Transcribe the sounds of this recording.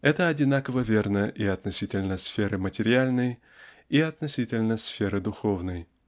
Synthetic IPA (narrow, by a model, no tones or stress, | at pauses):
ɛt̪əɐdʲɪnakəvəvʲernəʔiɐt̪nɐsʲitʲɪlʲnəsfʲeɾɨmətʲɪɾʲɪalʲnəj | iɐt̪nɐsʲitʲɪlʲnəsfʲe̞ɾɨd̪ʊxovnəj